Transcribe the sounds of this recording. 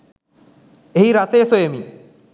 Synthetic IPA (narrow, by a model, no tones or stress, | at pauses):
eɦiɾasejːsojemi